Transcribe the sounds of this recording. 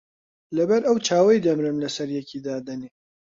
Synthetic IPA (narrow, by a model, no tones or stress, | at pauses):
lɐbɐɾɐwt͡ʃʰaːwɐjd̪ɐmɾɨmlɐsɐɾjɛkiːd̪aːd̪ɐne